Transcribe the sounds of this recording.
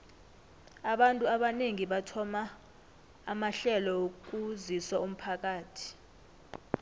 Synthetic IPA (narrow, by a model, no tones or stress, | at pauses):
aɓantʼuaɓaneŋiɓatʰɔmaː | maɬɛlɔok̬uziswaum̩pʰak̬ʼaːtʰi̥